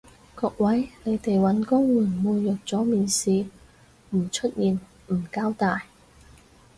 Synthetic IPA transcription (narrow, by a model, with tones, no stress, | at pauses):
kɔː˧k̚wɐ˨˥jle˨˧jt̪e˨jwɐ˨˥nkʊ˥ŋwuː˨˩nmuː˧jœː˨˩k̚t͡sɔː˨˥miː˨nsiː˨ | m̩˨˩t͡ʃʰɵ˥t̚jiː˨n | m̩˨˩kaː˥wt̪aː˨j